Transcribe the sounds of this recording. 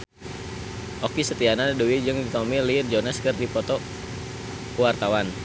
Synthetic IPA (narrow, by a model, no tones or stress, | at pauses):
ʔokisət̪ianaduwid͡ʒɨŋdit̪ɔmilird͡ʒɔnɛskɨrdipɔt̪ɔ | wart̪awan